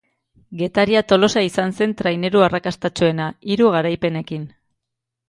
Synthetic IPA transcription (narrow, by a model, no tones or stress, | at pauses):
ɡe̞t̪aɾiat̪o̞lo̞saisanse̞nt̪ɾajne̞ɾuarakast̪at͡ʃue̞naiɾuɣ̞aɾajpe̞ne̞kin